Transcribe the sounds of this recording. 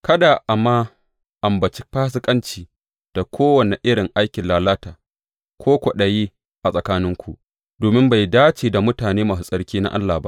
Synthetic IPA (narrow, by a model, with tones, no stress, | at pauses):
kɐ˦da˨ʔa˨mːaː˦ | ʔa˨mbɐ˨t͡ʃi˦ɸaː˦s̬ɪ˦kʼɐ˦nt͡ʃiː˨ | d̥a˨kʷʰoː˦wɐ˨ne˨ʔɪ˦ɽɪ˨ŋʔa˦jkʲɪ˨laː˨laː˦taː˨ | kʷoː˦kʷɔ˨ɗɐ˨jiː˦ | ʔa˨sʼɐ˨kaː˦nɪ˦ŋkʷu˦˨ʔ | doː˨mɪ˦mba˨jdaː˦t͡ʃiː˨da˨mʊ˦taː˨neː˦maː˨s̬u˨sʼɐ˦ɽkʲiː˦na̰˦ʔa̰˦lːa˨ba̰˦